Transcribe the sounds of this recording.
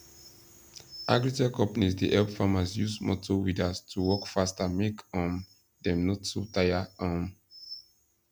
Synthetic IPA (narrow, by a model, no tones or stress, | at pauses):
ʔaɡɹitɛkʰɔ̃mpanisdeʔɛlpfamazjusmɔ̰tʰowidastʰuwɔkfastamekãm | dɛ̃mnɔtsotajaãm